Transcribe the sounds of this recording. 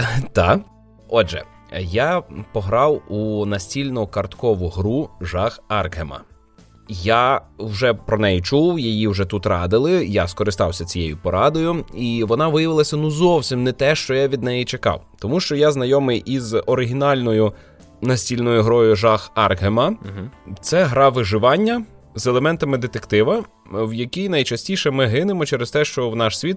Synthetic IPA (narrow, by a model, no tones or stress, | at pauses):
t̪ɑ | ɔʒɛ̰ | japɔɦɾɑwunɐsʲtʲilʲnɔʊkɐrt̪kɔʋʊɦɾuʒɑxɑrkɦemɐ̰ | jawʒɛpɾɔnɛjit͡ʃuwjɐjiwʒɛt̪ut̪ɾɑd̪ɪlˠɪjaskɔɾɪst̪ɑwsʲɐt͡sʲijejʊpɔɾɑd̪ɔjʊiʋɔnɑʋɪjɐʋɪlˠɐsʲɐnuzɔwsʲimnɛt̪ɛʃt͡ʃɔjaʋʲid̪nɛjit͡ʃekɑ̰wt̪ɔmuʃt͡ʃɔjaznɐjɔmɪjʔizɔɾɪɦʲinɑlʲnɔjʊ | nɐsʲtʲilʲnɔjʊɦɾɔjʊʒɑxɑrɦemɐt̪sɛɦɾɑʋɪʒɪʋɑnʲːɐ | zɛlˠemɛnt̪ɐmɪd̪et̪ekt̪ɪʋɐ | wjɐkʲijnɐjt͡ʃɐsʲtʲiʃɛmɪɦɪnemɔt͡ʃɛɾest̪ɛʃt͡ʃɔwnɑʃsʲʋʲit̪̚